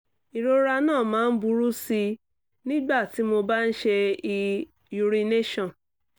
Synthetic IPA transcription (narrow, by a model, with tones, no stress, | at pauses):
i˨ɾo˧ɾa˧nãː˦˨mãː˨˦n̩˦bu˧˦ɾu˦si˧ | nĩ˦ɡ͡ba˦˨ti˨˦mo˧ba˦n̩˦ʃe˧i˧ | ju˧ɾi˧ne˦ʃɔ̃˨